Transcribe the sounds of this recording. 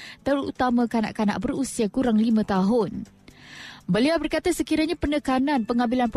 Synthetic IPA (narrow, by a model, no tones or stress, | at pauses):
t̪əɾṵt̪amãkana̰ʔkana̰ʔbəɾusiakuɾaŋlimãt̪aɦʊn | bəliawbərkat̪asəkiɾaɲapənəkanãnpəŋabilanp